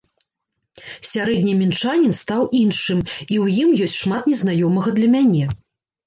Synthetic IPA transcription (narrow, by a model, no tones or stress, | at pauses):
sʲaɾɛd̪ʲnʲimʲint͡ʂanʲɛnst̪awʔinʂɨmiwjimjɔsʲtʲʂmat̪nʲɛznajɔmɐɣɐd̪lʲɐmʲanʲɛ